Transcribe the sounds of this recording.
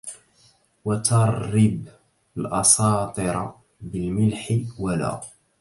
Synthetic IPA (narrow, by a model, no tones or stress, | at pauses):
wat̪ɑɾˤːɪb | lʔɑsɑːt̪ˤɨɾˤɑ | bɪlmɪlħɪwala̰ː